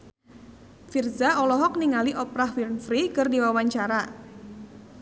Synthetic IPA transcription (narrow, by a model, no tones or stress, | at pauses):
firzaɔlɔɦɔk̚niŋaliʔɔpɾahwirnfɾikɨrdiwawaɲt͡ʃaɾa